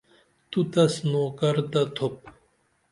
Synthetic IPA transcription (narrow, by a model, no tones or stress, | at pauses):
t̪ut̪ɐsnoːkɐɾt̪at̪ʰop̚